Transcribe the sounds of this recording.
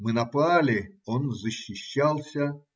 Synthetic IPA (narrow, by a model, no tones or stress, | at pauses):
mɨnɐpalʲɪonzəɕːɪɕːalˠsʲɐ